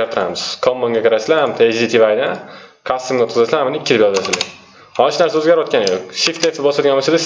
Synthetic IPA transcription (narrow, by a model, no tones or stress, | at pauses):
aɾt̪ʰɪɾa̰mɪz̥kʰɒmːoŋɡʲakʰʲɪɾasɪlaamt̪ʰeʃd̪it̪ʰivajd̪ankʰast̪ːɪmɡʲaot̪̚qʰɨzasɪlahamʊnɪkʲːɪd̪ɪpjɒzd̪asɪld̪ɪ | hɒɪʃnaɾsaɵzɡʲaɾɒt̪̚kʲanjok̚ʃift̪eft̪ɪbɒsat̪ɡʲanbosad̪a